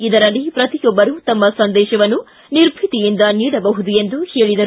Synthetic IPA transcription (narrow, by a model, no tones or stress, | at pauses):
id̪ɐɾɐlːipɾɐt̪ijɔbːɐɾut̪ɐmːɐsɐnd̪ɛːʃɐʋɐnːu | niɾbʱit̪ijind̪ɐnjid̪ɐbɐɦud̪ue̞nd̪uheːɭid̪ɐ